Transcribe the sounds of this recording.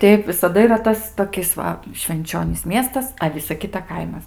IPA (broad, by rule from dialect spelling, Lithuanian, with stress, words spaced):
ˈtʲɛɪp ʋʲɪsɐˈdɐ iːˈrɐ ˈtɐs toːˈkʲɪs ʋɐ ʃʲʋʲɛnʲˈt͡ʃʲoːnʲiːs ˈmʲiɛstɐs ɐ ˈʋʲɪsɐ ˈkʲɪtɐ ˈkɐɪmɐs